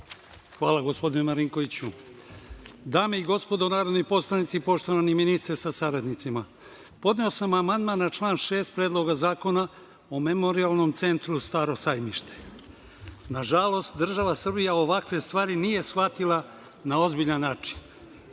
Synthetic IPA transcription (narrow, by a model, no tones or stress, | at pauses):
xʋaːlaɡo̞spo̞d̪inumaɾiŋko̞ʋit͡ɕu | d̪aːmeiɡo̞spo̞d̪onaːɾo̞d̪nojpo̞slˠanit̪sipo̞ʃt̪o̞ʋaniminist̪ɾesasaɾad̪nit̪sima | po̞d̪ne̞osamamand̪maːnːat͡ʃlˠaːnʃe̞ːst̪̚pɾed̪lˠo̞ɡazaːko̞na | ome̞mo̞ɾialˠno̞mt̪se̞nt̪ɾust̪aːɾo̞sajmiʃt̪e̥ | naʒalˠo̞st̪̚d̪r̩ʒaʋasr̩bijaoʋakʋest̪ʋaːɾinije̞sxat̪ilˠa | nao̞zbiʎanːaːt͡ʃi̥n